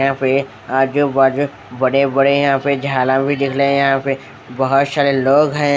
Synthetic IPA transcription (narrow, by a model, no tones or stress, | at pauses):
ɦãpe | ad͡ʒobad͡ʒo | bɐɽebɐɽejɐɦãped͡ʒʱaːlãbʱid̪ɪkʰlẽjɐɦãpe | bɐɦʊt̪saːɾeloːɡɦɛ̃